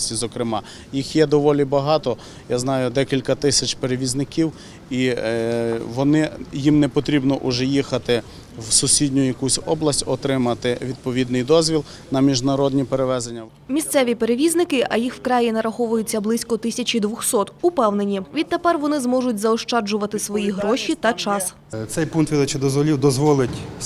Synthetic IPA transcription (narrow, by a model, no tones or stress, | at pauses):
sʲtʲizɔkɾɪmɑ | jixjɛd̪ɔʋɔlʲibɐɦɑt̪ɔ | jaznɑjʊd̪ɛkʲilʲkɐt̪ɪsʲɐt͡ʃpeɾeʋʲiznɪkʲiw | i | ʋɔnɪjimnɛpɔt̪ɾʲibnɔʔʊʒɛjixɐt̪ɪ | wsʊsʲidʲnʲʊjɐkusʲɔblˠɐsʲtʲɔt̪ɾɪmɐt̪ɪʋʲid̪̚pɔʋʲid̪nɪjd̪ɔzʲʋʲilˠ | nɐmʲiʒnɐɾɔd̪ʲnʲipeɾeʋɛzenʲːɐ | mʲist̪sɛʋʲipeɾeʋʲiznɪkɪʔɐjixwkɾɑjinɐɾɐxɔʋʊjʊt͡sʲːɐblˠɪsʲkɔt̪ɪsʲɐt͡ʃʲid̪ʋʊxsɔt̪ʊpɛwne̞nʲiʋʲid̪̚t̪epɛrʋɔnɪzmɔʒʊtʲzɐɔʃt͡ʃɑd͡ʒʊʋɐt̪ɪsʋɔjiɦɾɔʃit̪ɐt͡ʃɑs | t̪sɛjpunkt̪ʋʲid̪ɐt͡ʃɪd̪ɔzʋɔlʲiwd̪ɔzʋɔlˠɪtʲ